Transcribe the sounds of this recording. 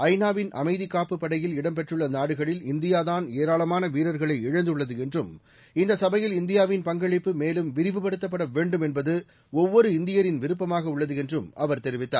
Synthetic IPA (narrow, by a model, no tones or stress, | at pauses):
ɐɪnaːʋɪnʔɐ̰mɐɪðɪkːaːpːɯpːɐɽɐjɪlɪɽɐmp̬ɛʈrɯɭːɐnaːɽɯɣɐɭɪlɪnd̪ɪjaːðaːneːɾaːɭɐmaːnɐʋiːɾɐɾɣɐɭɐɪɪɻɐnd̪ɯɭːɐðɯɛndrɯm | ɪnd̪ɐsɐbɐjɪlɪnd̪ɪjaːʋɪnpɐŋɡɐɭɪpːɯmeːlɯmʋɪɾɪʋɯpɐɽɯt̪ːɐp̬ːɐɽɐʋeːɳɖɯmɛnbɐðɯ | ɔʋːɔɾɯɪnd̪ɪjɐɾɪnʋɪɾɯp̬ːɐmaːɣɐʊɭːɐðɯɛndrɯmʔɐʋɐɾt̪ɛɾɪʋɪt̪ːa̰ːɾ